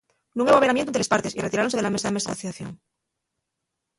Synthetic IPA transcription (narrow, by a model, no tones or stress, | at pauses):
nũŋeβaβeɾamjenelespaɾt̪e̞sireiɾaɾo̞nseðelamesaðeme̞saa̰θiaθjo̰ŋ